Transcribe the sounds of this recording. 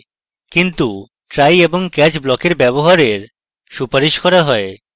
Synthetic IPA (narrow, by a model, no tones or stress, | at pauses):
kint̪u | ʈɾajeboŋkɛt͡ɕblɔkeɾbɛβoɦaɾeɾ | ʃupaɾiʃkɔɾaɦɔe